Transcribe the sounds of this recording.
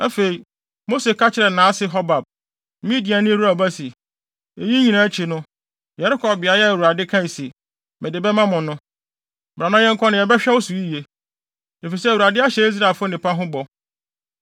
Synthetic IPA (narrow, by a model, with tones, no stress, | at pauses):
æ˦fe˨i˨ | mo˦se˨kʰa˦t͡ɕʰɪ˨ɾɛ˨nãː˨˦sɪ˦ɦɔ˦ba˨b̩̚˦ | mĩ˦di˨a˨nɪ̃˦wu˦ɾa˨ba˦si˨ | e˨jĩ˦ɲĩ˨nã˨˦t͡ɕʰi˨nʊ̃˦ | jɛ˨ɾɪ˦kʰɔ˨bbɪ˨a˨˦jɛ˦e˨wu˨ɾa˨dɪ˦kʰã˦i˨si˨ | mɪ̃˨dɪ˨bɛ˦mã˦mʊ̃˨nʊ̃˦ | bɾã˨nã˦jɛ˦ŋ̩˦kʰɔ˦nɪ̃˨jɛ˨bɛ˦ɕᶣɛ˦wo˦su˨i˦˨e˨ | e˨fi˨sɛ˦˨wu˨ɾa˨dɪ˦a˦ɕɛ˦i˦s̬ɾa˨lfʊ˦nɪ̃˨pa˦ɦʊ̃˦bɔ˨